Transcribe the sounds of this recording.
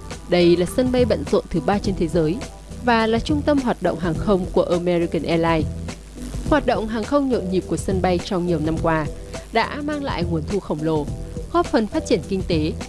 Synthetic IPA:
ɗə˧jlaː˨˩sə˧nɓa˧jɓə̰˧˨nzo̰˧˨nt̪ʰɨ˨˦ɓaː˧t͡ɕe˧nt̪ʰe˨˦zəː˨˦j | vaː˨˩laː˨˩t͡ɕʊ˧ŋ͡mt̪ə˧mɦwaː˨˩t̚ɗo̰˧˨wŋ͡mɦaː˨˩ŋxə˧wŋ͡mku˧˩əʔəː˧mɛ˧ɾi˧kə˨˩nʔɛ˧laː˧j | hwaː˨˩t̚ɗo̰˧˨wŋ͡mɦaː˨˩ŋxə˧wŋ͡mɲo̰˧˨nɲi˨˩p̚ku˧˩əsə˧nɓa˧jt͡ɕɔ˧wŋ͡mɲi˨˩əwna˧mkwaː˧ | ɗa̰ː˧˥maː˧ŋla̰ː˧˨jŋu˨˩ənt̪ʰu˧xə˧˩wŋ͡mlo˨˩ɣɔ˦˥p̚fə˨˩nfaː˦˥t̚t͡ɕi˧˩ənkï˧ŋ̟t̪e˨˦

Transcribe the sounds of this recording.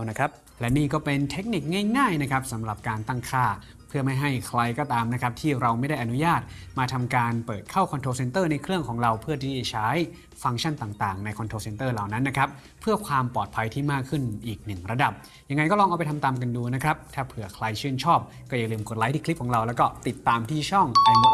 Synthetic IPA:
na˦˥kʰa˦˥p̚ | lɛ˦˥niː˥˩kɔː˥˩pe˧nt̪ʰe˦˥k̚ni˨˩k̚ŋaː˥˩jŋaː˥˩jna˦˥kʰɾa˦˥p̚sa˩˦mɾa˨˩p̚kaː˧nt̪a˥˩ŋkʰaː˥˩ | pʰɯ˥˩ɐma˥˩jɦa˥˩jkʰɾa˧jkɔː˧t̪aː˧mna˦˥kʰa˦˥p̚t̪ʰiː˥˩ɾa˧wma˥˩jda˥˩jʔa˧nu˦˥jaː˥˩t̪̚maː˧t̪ʰa˧mkaː˧npɤː˨˩t̪̚kʰa˥˩wkʰɔ˧t̪ʰoː˧se˧nt̪ɤː˥˩na˧jkʰɾɯ˥˩əŋkʰɔː˩˦ŋɾa˧wpʰɯ˥˩ɐt̪ʰiː˥˩t͡ɕa˧˩t͡ɕʰaː˦˥j | fa˧ŋt͡ɕʰa˥˩nt̪aː˨˩ŋt̪aː˨˩ŋna˧jkʰɔ˧nt̪ʰoː˧se˧nt̪ɤː˥˩la˨˩wna˦˥nːa˦˥kʰɾa˦˥p̚ʰːɯ˥˩ɐkʰwaː˧mpɔː˨˩t̪̚pʰa˧jt̪ʰiː˥˩maː˥˩kʰːɯ˥˩nʔiː˨˩k̚nɯ˨˩ŋɾa˧da˨˩p̚ | ja˧ŋːa˧jkɔː˥˩ɾɔː˧ʔa˧wpa˧jt̪ʰa˧mt̪aː˧mk̬a˧nduː˧na˦˥kʰɾa˦˥p̚t̪ʰaː˥˩pʰɯ˨˩ɐkʰla˧jt͡ɕʰɯː˥˩nt͡ɕʰɔː˥˩p̚ | kɔː˥˩ja˧ŋlɯː˧mko˨˩t̪̚laː˨˦j̪ʰiː˦˥˩kli˦p̚ʰɔː˩˦ŋɾa˧wlɛː˦˥wkɔː˥˩t̪i˨˩t̪ːaː˧mt̪ʰiː˥˩t͡ɕʰɔ˥˩ŋpa˧n

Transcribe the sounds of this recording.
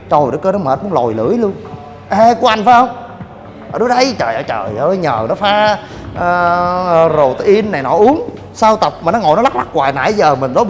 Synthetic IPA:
t͡ɕo˧˩jɗɨ˨˧˦kə˧nɔ˨˦məː˨˩t̚mu˨˧˦ŋ͡mlo˨˩jlɨ̰˧˩˥əjlu˧ən | ʔɛ˧ku˧əʔa˧jŋ̟faː˨˦jhə˧wŋ͡m | ʔəː˧˩ɗu˨˦˥ɗə˨˦jt͡ɕəː˨˩jʔəː˧˩t͡ɕəː˨˩jʔəː˧˩ɲəː˨˩nɔ˨˦faː˨˧˩ | zo˨˩t̪ʔi˧ənːa˨˩jnɔ˨˧˦ʔu˨˦ən | saː˧wt̪ə˨˩p̚maː˨˩nɔ˨˦ŋo̰˨jnɔ˨˦la˦˥la˦˥k̚kwaː˨˩jna̰ː˧˨˩zəː˨˩mï˨˩ŋ̟ɗo˨˦

